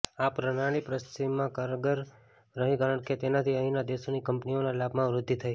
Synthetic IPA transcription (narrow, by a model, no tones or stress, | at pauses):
apɾəɽ̃aɽ̃ipɾəst̪imːãkaɾəɡəɾ | ɾəɦĩkəɾəɽket̪enat̪ʰiəɦĩnad̪esonikəmpnionalabʱmãʋɾʊd̪ʱːit̪ʰəj